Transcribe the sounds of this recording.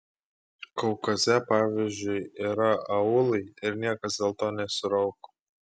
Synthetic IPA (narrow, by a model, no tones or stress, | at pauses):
kɔʊkɐzʲɛpɑːʋʲizʲd͡ʒʲʊjiːɾɐɐʊlˠɐɪɪɾnʲiɛkɐsd̪ʲɛlˠt̪oːnʲɛsʊɾɐʊkː